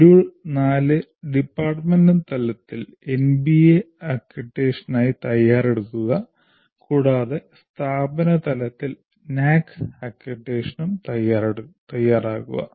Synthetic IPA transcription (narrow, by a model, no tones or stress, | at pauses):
ɾuːɭnaːlɨ | ɖipːaːrʈmendɐnt̪ɐlɐt̪ːil | enbie | ɐkjuʈːe̞ːʂɐnaːjit̪ɐjːaːre̞ɽukːuɣɐ | kuːɽaːðe̞st̪ʰaːbɐnɐt̪ɐlɐt̪ːil | naːkɐkjɐʈːeːʂɐnumt̪ɐjaːɾeɽt̪ɐjːaːraːɣṵɣɐ̰